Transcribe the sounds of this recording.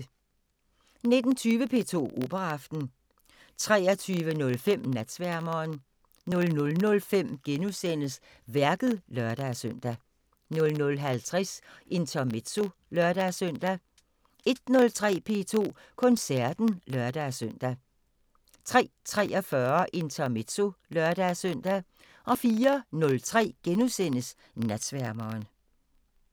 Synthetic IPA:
ne̝d̥n̩t͡sʰyːʋəpʰe̝̰ːt͡sʰo̝̰ːʔo̝̰ːb̥ɐɑfd̥n̩ | t͡sʰʁɛ̰ːɐt͡sʰyːʋənɔ̽lfem̰næd̥sʋæɐmɐːn | nɔ̽lnɔ̽lnɔ̽lfem̰ɡ̥enusen̰əs | ʋæɐɡ̥ð̩ˠlɶɐd̥æsøn̰d̥æ | nɔ̽lnɔ̽lɦælt͡sʰʁɛsʔe̝nt͡sʰɒme̝d̥so̝lœɐɾ̥æsœn̰d̥æ | e̝d̥̚nɔ̽lt͡sʰʁɛ̰ːpʰe̝̰ːt͡sʰo̝̰ːkʰɔ̽nsæɐd̥n̩lɶɐd̥æsøn̰d̥æ | t͡sʰʁɛ̰ːt͡sʰʁɛ̰ːɒfɶɐʔe̝nt͡sʰɒme̝d̥so̝lɶɐd̥æsœn̰d̥æ | ʔɒ̽fiːɐnɔ̽lt͡sʰʁɛ̰ːɡ̥enusen̰əs | næd̥sʋæɐmɐːn

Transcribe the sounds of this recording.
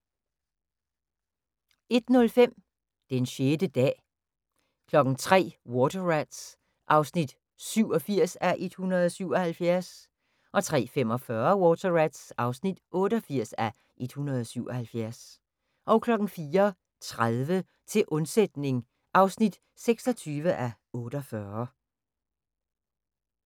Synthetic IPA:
e̝d̥nɔ̽lfem̰ | d̥enɕeːd̥əd̥ɛ̰ː | kʰlɒ̽ɡ̥n̩t͡sʰʁɛ̰ːwɔːt͡sʰɐʁæd̥s | ʔɑ̈ʊsnid̥ | syʊ̰ɒ̽fiɐ̰sæʔe̝d̥hunɐð̩ˠɒ̽syʊ̰ɒ̽hælfjæɐs | ʔɒ̽t͡sʰʁɛ̰ːfem̰ɒ̽fɶɐwɔːt͡sʰɐʁæd̥sʔɑ̈ʊsnid̥ʔɔ̽ːɾəɒfiɐ̰sæ | ʔe̝d̥hunɐð̞ˠɒ̽syʊ̰ɒ̽hælfjæɐs | ʔɒ̽ʊkʰlɒ̽ɡ̥n̩fiːɐ | t͡sʰʁaðˠʋə | t͡sʰe̝lʔɔ̽nsed̥ne̝ŋ | ʔɑ̈ʊsnid̥ | seɡ̥sɒ̽t͡sʰyːʋəʔæ | ɔ̽ːɾ̥ɒfɶɐ

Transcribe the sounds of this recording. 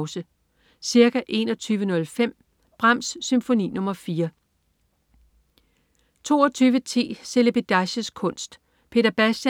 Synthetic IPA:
ʊsə | siɐɡ̥æʔe̝ːnɒ̽t͡sʰyːʋənɔ̽lfem̰ | b̥ʁɑm̰ssymfo̝nḭːnɔ̽mɐfiːɐ | t͡sʰo̝̰ːɒt͡sʰyːʋət͡sʰe̝̰ːse̝leb̥id̥æɕəskʰɔ̽n̰sd̥ | pʰe̝̰ːd̥ɐb̥æsd̥æ

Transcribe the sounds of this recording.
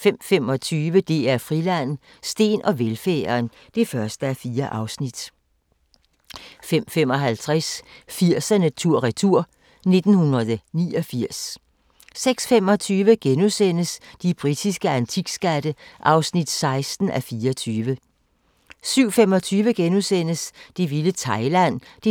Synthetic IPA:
fem̰femɒ̽t͡sʰyːʋəd̥e̝æɐfʁilæn̰ | sd̥e̝̰ːnʔɒ̽ʋelfeːɐːn | d̥e̝fɶɐsd̥əæfiːɐʔɑ̈ʊsnid̥ | fem̰femɒ̽ɦælt͡sʰʁasfiɐ̰sænət͡sʰuɐ̰ʁɛt͡sʰuɐ̰ | ne̝d̥n̩hunɐðˠnḭːɒ̽fiɐ̰sː | eɡ̥sfem̰ɒ̽t͡sʰyːʋəɡ̥enusen̰əsd̥ib̥ʁid̥isɡ̥əænt͡sʰiɡ̥sɡ̥æd̥əʔɑ̈ʊsnid̥sɑ̈ɪsd̥n̩ʔæfiːɐɒt͡sʰyːʋə | syʊ̰femɒ̽t͡sʰyːʋəɡ̥enusenəsd̥iʋilət͡sʰɑ̈ɪlæn̰d̥e

